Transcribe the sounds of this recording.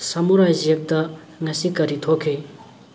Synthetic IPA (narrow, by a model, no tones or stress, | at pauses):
samoɾaʑek̚t̪ə | ŋasʰikaɾit̪ʰokʰi